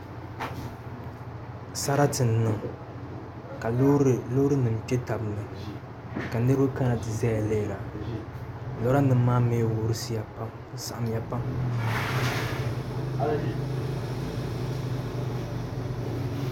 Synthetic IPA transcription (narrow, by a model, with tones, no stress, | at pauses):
sa˦ɾa˦tɨ˨nː˨ɨ˨ŋ | ka˨llo˦ɾɨ˦nɨ˨m˨t͡ʃɛ˦ta˨bɨ˨nɨ˨ | ka˨nɨ˦ɾɨ˦ɨ˦ka˦na˨tɨ˨zɛ˦ja˨lɛ˦˨la˨ | lɔ˨˦ɾa˦nɨ˦m˦mːaː˦me˦wʊ˦ɾɨ˦si˦ja˨pa˦m | sa˨ʔa˨m˦ja˨pa˦m